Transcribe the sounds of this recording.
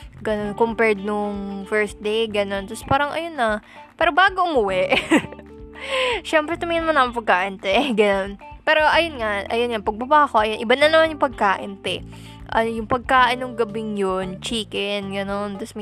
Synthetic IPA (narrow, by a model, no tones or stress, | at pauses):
ɡɐnonkompɛɹd̪̚noŋfɛɹs̚d̪ejɡɐno̞nt̪ɐspaːɾɐŋʔɐ̰jonːɐ | pɛːɾobaːɡoʔʊmʊwɛʔ | ʃɛmpɾɛt̪omɛnmɐnːɐmɪpɐɡ̚kaːʔɪnt̪ɛɡɐnonpɛːɾo̞ʔɐjonŋaʔɐ̰jonŋapɐɡ̚bɐbaːkoʔɐjonʔɪbanɐnɐmanjʊŋpɐɡ̚kaːʔɪnt̪ɛ | ʔɐ̰njʊŋpɐɡ̚kaːʔɪnːʊŋɡɐbɪŋjont͡ʃiːkɛnɡɐno̞nt̪ɐsm